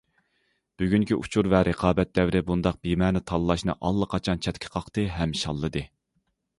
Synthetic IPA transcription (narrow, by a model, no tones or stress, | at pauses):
b̥yɡʲyŋkʲiʔṵt͡ʃʰuɾvɛɾʔɨqʰɑːbɛt̪̚d̪ɛwɾɪbund̪ɑq̚b̥imɛnɪt̪ʰɑlˠlˠɑʃnɨ̰ʔɑlˠːəqʰɑt͡ʃʰɑnt͡ʃʰɛt̪kʲʰɪ̥qʰɑqt̪ɨɦɛmʃɑ̰lˠːɨd̪ɨ